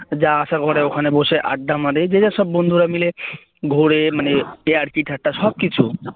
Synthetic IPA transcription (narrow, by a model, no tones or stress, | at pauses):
d͡ʑaːsaɡʱɔɽeokʰaneboʃeʔa̰ɖːamaɾed͡ʑed͡ʒaʃɔbːond̪ʱuɾamile | ɡʱoɽemaneeaɽkiʈʰaʈːaʃɔb̚kit͡ɕʰu